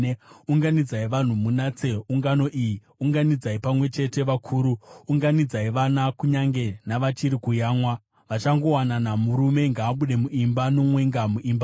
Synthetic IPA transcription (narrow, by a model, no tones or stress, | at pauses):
uŋɡanid͡zaiʋan̤umunat͡seuŋɡano̞ʔiji | uŋɡanid͡zaipamwe̞t͡ʃe̞te̞ʋakʰuːɾuːŋɡanid͡zaiʋanakuɲaŋɡe̞naʋat͡ʃiɾikujaːŋwa | ʋat͡ʃaŋɡo̞wananamuɾume̞ŋɡaːɓuɗe̞muʔimbano̞mwe̞ŋɡamuʔimba